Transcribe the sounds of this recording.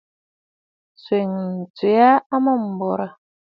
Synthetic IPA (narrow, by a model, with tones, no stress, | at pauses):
swe˨ŋn̩˨t͡se˨˦a˦a˦ma˦˨m̩˨bɔ˨ɾa˦